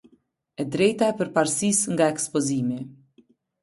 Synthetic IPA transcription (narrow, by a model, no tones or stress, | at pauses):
ɛd̪ɾɛjt̪aɛpəɾpaɾsisŋɡaɛkspɔzimi